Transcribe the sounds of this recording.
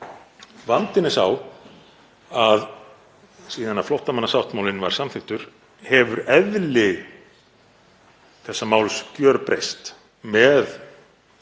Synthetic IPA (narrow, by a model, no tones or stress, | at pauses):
vant̪ɪnɪsaw | að | siːðanaflɔwht̪amanːasawht̪mawlɪnva̰ɾ̥samθɪht̪ʏɾ̥ | hɛvʏɾɛðlɪ | θɛsːamaːwlscjœɾpɾejst̪ | mɛð